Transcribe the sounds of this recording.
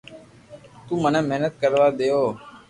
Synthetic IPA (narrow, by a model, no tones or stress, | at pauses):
t̪uːmənɛ̃ːmeɦnət̪̚kəɾʋaːd̪eːoː